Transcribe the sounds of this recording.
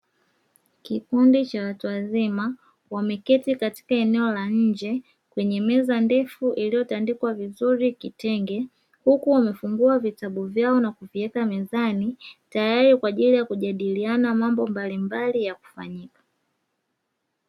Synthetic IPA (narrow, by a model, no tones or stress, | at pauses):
kipundit͡ʃawatuwazima | wamɛkɛtikati̥kaɛnɛɔlaɲɲ̩d͡ʒɛ | kwɛɲɛmɛzandɛfuʔilijɔtandikwavizuɾikitɛŋɡɛ | hukuwamɛfuŋɡuavitaɓuvjaɔnakuviɛkamɛzanitajaɾikwaʄilijakuʄaɗilianamambɔmbalimbalijaku̥fa̰ɲikḁ